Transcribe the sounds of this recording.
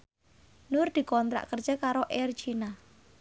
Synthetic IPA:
nʊrd̪̥i̤kɔnt̪ɾa̰ʔkərd͡ʒakaɾoʔɛrt͡ʃina

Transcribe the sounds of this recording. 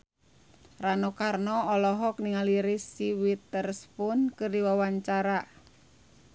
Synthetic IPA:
ranokarnɔɔlɔɦɔk̚niŋaliɾɪsiwit̪ərspʊnkɨrdiwawaɲt͡ʃaɾaʔ

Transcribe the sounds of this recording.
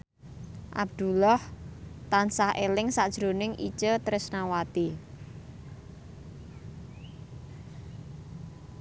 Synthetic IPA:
ʔa̰b̚d̪̥ṳlɔht̪ansahʔelɪŋsad̥ʒ̥ɾonɪŋʔḭt͡ʃət̪əɾɪsnawat̪i

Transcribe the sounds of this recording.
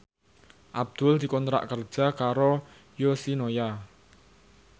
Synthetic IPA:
ʔab̚d̪̥ʊ̤ld̪̥i̤kɔnt̪ɾa̰ʔkərd̥ʒ̥a̤kaɾo | josinoja

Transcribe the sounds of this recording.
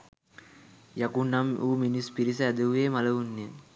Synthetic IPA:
jakunːamuːminispiɾis̬əæd̪əʋuʋeːmaləʋunːe

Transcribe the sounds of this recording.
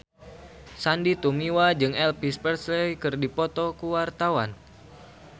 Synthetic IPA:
sandit̪umiwad͡ʒɨŋɛlpispɛrslejkɨrdipɔt̪ɔkuwart̪awa̰n

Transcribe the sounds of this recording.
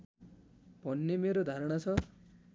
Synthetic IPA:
bʱʌnːemeɾod̪ʱaɾʌɽ̃at͡sʰʌ

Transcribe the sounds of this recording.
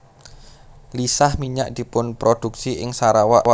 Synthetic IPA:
lisahmiɲa̰ʔd̪̥i̤pʊnpɾod̪̥ṳksiʔɪŋsaɾawaa

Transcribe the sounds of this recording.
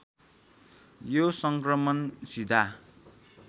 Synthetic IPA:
josʌŋkrʌmʌnsid̪ʱa

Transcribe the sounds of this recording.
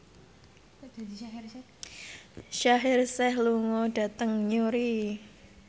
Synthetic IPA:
ʃaɦɪrsɛhluŋod̥a̤t̪əŋɲuɾi

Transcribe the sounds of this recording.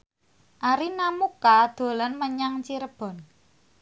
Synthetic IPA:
ʔaɾinamukad̪̥o̤lənməɲaŋt͡ʃiɾəb̥ɔ̤n

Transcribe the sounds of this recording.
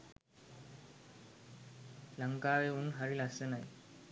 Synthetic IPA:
ləŋkaʋeunɦaɾilasenaj

